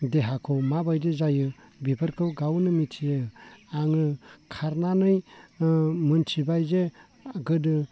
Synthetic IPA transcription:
deɦakʰowmabajdizajɯ | bipʰəɾkʰɯwɡawnɯmitʰijɯaŋɯkʰaɾnanɯj | mɯntʰibajze | aɡɯdɯ

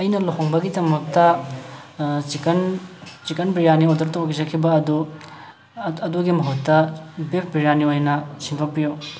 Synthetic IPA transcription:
ɐjnɐloɦoŋbɐɡidɐmɐk̚tɐ | kɐnt͡ʃikɐnbiɾjaniodɐɾtowɡizɐkʰːibɐːdu | ɐduɡimɐɦutːɐbep̚ʰbiɾjaniojnɐsiŋtʰok̚pijo

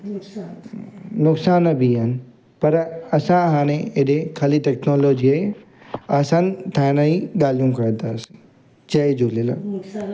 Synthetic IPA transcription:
nʊksaːnbʱiɦənɪ̆ | pɐɾɐsãɦãːñẽeɗekʰaːlit̪ɛknoːloːd͡ʑiaɦe | aːsãːnt̪ʰaːnaĩɠaːlijũkɐɾə̃t̪aːs | t͡ɕɐed͡ʒolela̰

